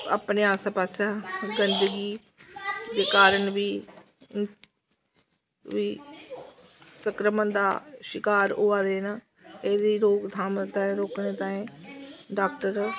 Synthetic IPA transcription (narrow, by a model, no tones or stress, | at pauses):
a̰ːpneːaːsãːpaːsaːɡənd̪əɡiː | d̪eːkaːɾəɳbiː | ʋiː | səkɾəmənd̪a̰ːʃɪkaːɾoːaːd̪eːnaː | eːd̪iːɾoːkd̪ʰʱaːmt̪ãːẽːɾoːknẽːt̪ãːẽːɖaːkʈəɾ